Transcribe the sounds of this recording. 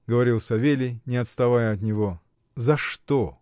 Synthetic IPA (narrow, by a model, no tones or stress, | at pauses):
ɡəvɐɾʲilˠsɐvʲelʲɪjnʲɪɐt̪st̪ɐvajəɐt̪nʲɪvo̞ | zɐʂt̪o